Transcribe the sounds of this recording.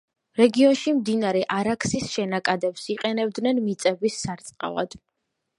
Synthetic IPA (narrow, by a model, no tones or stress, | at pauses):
ɾɛɡiɔnʃimd̪inaɾɛʔaɾaksisʃɛnakʼad̪ɛpsiqʼɛnɛb̚d̪nɛnmit̪sʼɛbisːaɾt̪sʼqʼa̰lˠa̰d̪̥